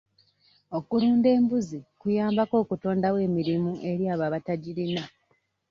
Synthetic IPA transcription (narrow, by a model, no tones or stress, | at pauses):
o̞kuluːnde̞ːmbuzikujaːmbako̞ːkuto̞ːndawe̞ːmiɾimuʔe̞ɾjaːβaβataɟiɾina